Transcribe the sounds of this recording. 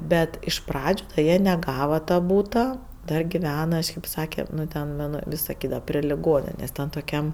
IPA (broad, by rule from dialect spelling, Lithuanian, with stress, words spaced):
ˈbʲɛt ɪʃ ˈprɑːd͡ʒʲʊ ˈjiɛ nʲɛˈɡɑːʋɐ tɐ ˈbuːtɐ dɐr ɡʲɪˈʋʲæːnɐ kɐʃʲˈkʲeːp ˈsɑːkʲɛ nʊ ˈtʲɛn nʊ nʊ ˈʋʲɪs sɐˈkʲiːdɐʋɐ pʲrʲɪ lʲɪˈɡoːnʲɪnʲeːsʲ ˈtʲɛn toːˈkʲɛm